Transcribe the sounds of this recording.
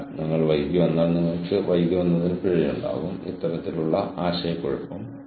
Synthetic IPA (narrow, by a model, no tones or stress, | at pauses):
niŋːɐɭʋɐjɡjuʋɐnːaːɭnːiŋːɐkːɨʋɐjɡjuʋɐnːɐðinpiɻijuɳɖa̰ːɣumḭt̪ːɐɾɐt̪ːiluɭːɐʔaːɕɐjɐkːoɻupːɐm